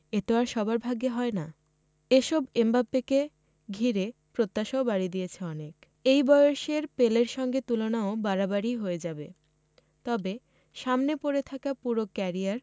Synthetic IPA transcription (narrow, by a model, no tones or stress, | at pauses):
et̪ewaɾʃɔbaɾbʱaɡeɦɔena | eʃɔbembapːeke | ɡʱiɾe | pɾot̪ːaʃaobaɽid̪ijet͡ɕʰeɔnek | ejbɔjoʃeɾpeleɾʃɔŋɡet̪ulonaobaɾabaɾiɦoed͡ʑabe | t̪ɔbe | ʃamnepoɾet̪ʰakapuɾokɛɾiaɾ